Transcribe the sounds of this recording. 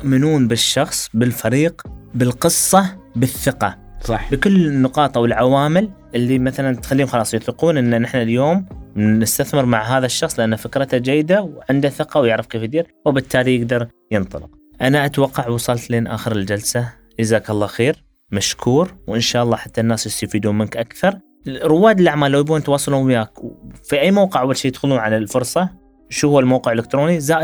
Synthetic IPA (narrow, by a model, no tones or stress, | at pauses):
ʊʔmɪnuːnbɪʃːɑxsˤbɪlfaɾiːqbɪlqɨsˤːɑbɪθːɪqɑ | sˤɑħbkʊlːɪnːʊqɑːt̪ˤɑwɪlʕawaːmɪlʔɪlːimaθalant̪xalːiːhʊmxɑlɑːsˤjʊθɪquːnʔɪnːanɪħnaljoːmnɪst̪aθmɪɾmaʕɦaːðaʃːɑxsˤlɪʔanːafɪkɾˤɑt̪ad͡ʒajːɪd̪awʕɪnd̪aθɪqɑwjɪʕɾɪfkeːfjd̪iːɾwɪbɪt̪ʰːaːlijɪɡd̪ɑɾˤ | jɪnt̪ˤɑlɪq | ʔanaʔat̪wɑqːɑʕwɑsˤɑlt̪leːnʔa̰ːxəɾɪld͡ʒalsa | zaːkɑlˤːɑːxeːɾ | maʃkʰuːɾwʔɪnʃaːʔɑlˤːɑːħat̪ːanːaːsjɪst̪afiːd̪uːmɪnkʔakθɑɾˤ | ɾʊwːaːd̪ɪlʔaʕmaːlːawjbuːnt̪wɑːsˤɑlumjaːkwfiʔajːmawqɪʕawːalʃiːjɪd̪xʊluːnʕalalfʊɾˤsˤɑ | ʃuːhʊːalmawqɪʕɪlɪkt̪ɾoːnizaːʔ